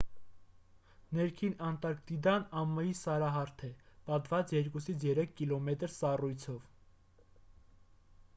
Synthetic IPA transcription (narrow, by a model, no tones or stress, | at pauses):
nɛɾkʰinɑnt̪ɑɾk̚t̪id̪ɑnɑmːəjisɑɾɑɦɑɾt̪ʰɛpɑt̪vɑt͡sjɛɾkusit͡sʰjɛɾɛkʰːilɔmɛt̪ɾsɑrujt͡sʰɔv